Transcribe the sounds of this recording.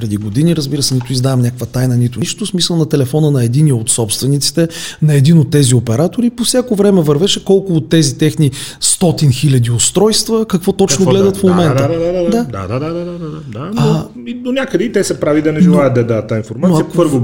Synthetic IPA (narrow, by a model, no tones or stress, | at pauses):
pɾɛd̪iɡod̪iniɾəzbiɾəsɛnit̪ʊizd̪avɐmnʲakəkvət̪ajnənit̪ʊt͡ʃt̪ʊsmisəlˠnɐt̪ɛlɛfɔnənɐɛd̪iniot̪sɔpst̪vɛnit̪si̥t̪ɛnɐɛd̪inot̪ːɛziopɛɾat̪oɾipofsʲjakovɾɛmɛvɐɾvɛʃɛkɔlˠkʊot̪ːɛzit̪ɛxnist̪ɔt̪inxilʲɐd̪iost̪ɾɔjst̪vəkɐkvɔt̪ɔt͡ʃnolɛd̪ət̪fmomɛnt̪əad̪ad̪aaaad̪aaad̪anao | id̪onʲakəd̪ɛit̪ɛsɛpɾavid̪ɐnɛʒɛlˠajət̪ɐɛd̪aət̪ːainfoɾmat̪oiəpəɾvo